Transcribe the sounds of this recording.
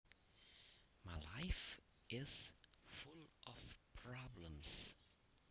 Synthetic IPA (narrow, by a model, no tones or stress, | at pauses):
maɪlaɪf | ʔɪz̥fʊlʔəv̥pʰɹ̥ɑblə̃ms